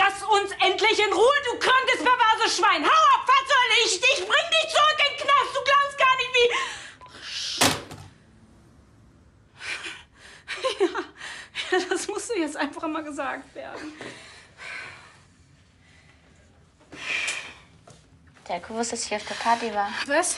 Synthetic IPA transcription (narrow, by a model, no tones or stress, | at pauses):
d̥asʊnsʔɛntlɪçɪnʁuːəduːkʁ̥antəstfɛɐvɛɐzəʃv̥aɪnhaʊafaɐt͡sɔʏlɪçdɪçb̥ʁɪŋdɪçt͡sʊʁʏkɪnknastd̥uːɡlaʊpstɡ̥aːɐnɪçtv̥iː | jaːjaːd̥asmʊsd̥uːjɛt͡stʔaɪnfaχmaːlɡəzaːk̚tv̥ḛːɐdn̩ | d̥eːɐkʰʁosɛsthiːɐaʊfd̥eːɐpʰaɐtivaːvas